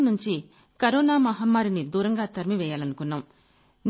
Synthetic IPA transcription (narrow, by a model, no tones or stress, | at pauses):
nuɲt͡ʃi | kɐɾɔːnaːmɐɦɐmːaːɾinid̪uːɾɐŋɡaːt̪ɐɾmiʋɛːjaːlɐnukunːaːm | n